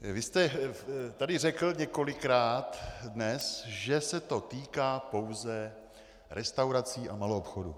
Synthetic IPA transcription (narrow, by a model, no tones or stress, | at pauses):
vɪst̪ɛt̪adɪrɛkl̩ɲɛko̞lɪkɾaːt̪dnɛsʒɛsɛt̪o̞t̪iːkaːpo̞wzɛ | ɾʔɛst̪awɾat͡siːʔamaloopxodṵ